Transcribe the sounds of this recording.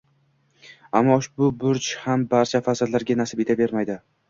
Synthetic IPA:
a̰mːɒʊʃbʊbʊɾt͡ʃhambaɾt͡ʃʰafazɪɾlaɾɡʲanasɪpe̞t̪ʰabe̞ɾmajd̪ɪ

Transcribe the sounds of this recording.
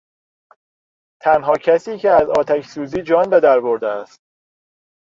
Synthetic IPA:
t̪ʰænɦɒːcʰæsiːcʰeæzɒːt̪ʰæçʰsuːziːd͡ʒɒːnbe̞d̪æɾbo̞ɾd̪eæst̪̚

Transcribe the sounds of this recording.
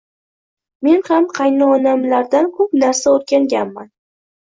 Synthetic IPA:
me̞nhamqʰɑjnɨɒnamlaɾd̪ankʰɵpnaɾsaoɾkʲaŋɡʲanman

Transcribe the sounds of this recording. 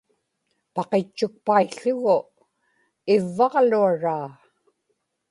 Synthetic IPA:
pɑqet͡ʃːʊk̚paiɬʊɣʊ | ɪvːɑʁluaɻaː

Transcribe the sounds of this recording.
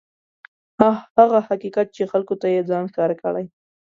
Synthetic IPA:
hahaɣahaqiqat̪̚t͡ʃexalkot̪ajed͡zɑnxkɑɾakəɽaj

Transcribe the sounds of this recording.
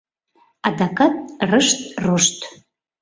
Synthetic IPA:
ad̪akʼatʼrɨʂtroʂtʰʼ

